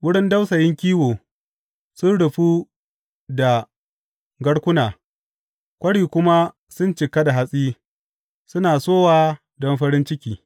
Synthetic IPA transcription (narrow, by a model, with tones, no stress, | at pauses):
wʊ˦ɽɪ˦nda˦wsɐ˨jɪ˦ŋkʲiː˦woː˨ | sʊ˦nɽʊ˨ɸu˦ | da˨ | ɡɐ˦ɽkʷʊ˦naː˨ | kʷɐ˦ɽiː˨kʷʊ˦ma˦ | sʊ˦nt͡ʃɪ˨ka˦da˨ɦa˨sʼiː˦ | sʊ˦naː˨soː˦waː˦ | dɔ˦mɸɐ˦ɽɪ˦nt͡ʃɪ˦kʲiː˨